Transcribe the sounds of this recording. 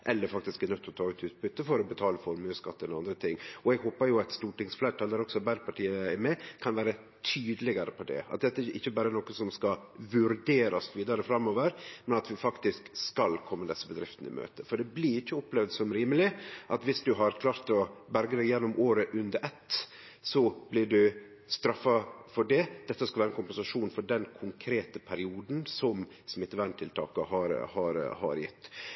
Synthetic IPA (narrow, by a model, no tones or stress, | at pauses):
ʔɛlːəɾfɑkt̪ɪskænœt̪ːɔt̪ʰɑːʉːt̪ʉːt̪̚bʉt̪ːəfɔɾɔbət̪ʰɑːləfɔɾmʉːskɑt̪ːənɔɑnd̪ɾət̪ʰɪŋːɔɛɡɦoːpɑɾjʊɑt̪st̪uːʈɪŋsflæʈʰɑːləɾɔksɔbæd̪pʰɑʈʰiːəɛɾmɛkʰɑnʋæːɾə | t̪ʰyːd̪əlɪɡɑɾəpʰɔd̪ɛ̰ɑ̰t̪̚d̪ɛt̪ːəɛʔɪ̰çːəbɑːɾənoːkəsɔmskɑʋʉɾd̪eːɾɑsʋiːd̪ɑɾəfɾɑmːoːʋəɾmɛnɑt̪ʋɪfɑkt̪ɪskskɑlkʰɔmːəd̪ɛsːəbəd̪ɾɪft̪n̩ɪ̰mø̰ːt̪əfɔɖɛblɪɾɪçːəɔplɛʋd̪sɔmɾiːməlɪʔɑt̪ʋɪsd̪ʉɦɑɾkʰlɑːɾt̪ɔbæɾɡəd̪æɪjɛnːʊmʔoːɾəʔʉnd̪əɾɛt̪ː | sɔb̥lɪɖʉ | st̪ɾɑfːɑfɔɖɛd̪̥ɛt̪ːəskɑlæːɾɛnkʊmpɛnsɑʂuːnfɔɖɛnkʰʊŋkʰɾeːt̪əpʰæɾɪuːd̪n̩sɔm | smɪt̪ːʋæɳt̪ʰɪlt̪ʰɑ̰ːkəhɑɾhɑɾhɑ̰ɾjɪt̪ː